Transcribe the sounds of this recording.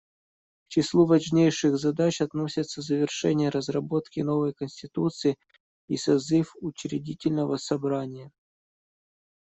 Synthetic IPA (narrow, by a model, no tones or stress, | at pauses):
ft͡ɕɪslˠuvɐʐnʲejʂɨɣzɐd̪at͡ɕɐt̪no̞sʲɪt̪səzəvʲɪrʂɛ̰nʲɪjəɾəzrɐbo̞t̪kʲɪno̞vəjkənʲsʲtʲɪt̪ut̪sɨɪ | isɐzɨfʊt͡ɕɾʲɪdʲitʲɪlʲnəvəsɐbɾanʲɪjə